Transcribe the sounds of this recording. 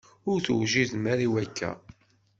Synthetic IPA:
ʊɾθuwʒiðmæɾiwækːæ̰

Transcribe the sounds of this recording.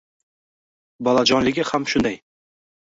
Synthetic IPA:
bɒlˠad͡ʒɒnlɪɡʲɪhamʃʊnd̪aj

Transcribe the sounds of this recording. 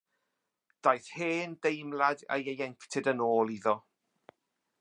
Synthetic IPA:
d̥ajθheːndejmlada̰jejɛŋktʰɪdənoːlˠiðɔ

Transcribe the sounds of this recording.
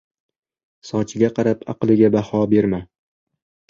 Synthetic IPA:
sɒt͡ʃʰɪɡʲaqʰɑɾapʰɑqlˠɪɡʲabahɒbe̞ɾma

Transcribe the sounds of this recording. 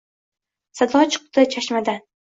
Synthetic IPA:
sad̪ɒt͡ʃʰɨ̥q̚t̪ɨt͡ʃʰaʃmad̪an

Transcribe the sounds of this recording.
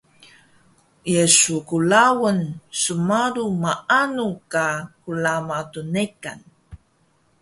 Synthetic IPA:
jesukulawənsəmaɾumaanukakulamatunekan

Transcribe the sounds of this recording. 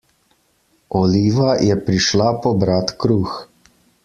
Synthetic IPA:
ɔliːʋajɛpɾiʃlapɔbɾat̪kɾuːx

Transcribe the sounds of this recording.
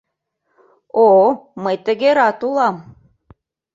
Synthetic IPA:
oməjt̪ə̆ɣeɾɑt̪ulˠɑm

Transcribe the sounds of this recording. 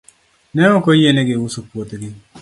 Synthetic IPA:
nɛŋɔkojeneɡɪwusopwot̪ɡɪ

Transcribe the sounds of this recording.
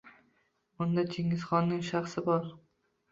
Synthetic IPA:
ʊnd̪at͡ʃʰeŋɪz̥χɒnːɪŋʃaχsɪbɒɾ

